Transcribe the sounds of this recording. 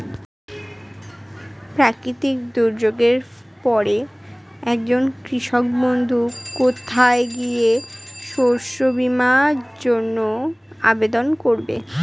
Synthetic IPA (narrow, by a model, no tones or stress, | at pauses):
pɾakɾit̪ikd̪uɾd͡ʑoɡeɾ | pɔɾe | ɛkd͡ʑonkɾiʃok̚bond̪ʱukot̪ʰaeɡieʃoɾʃobimad͡ʑonːo | a̰bed̪onkoɾbḛ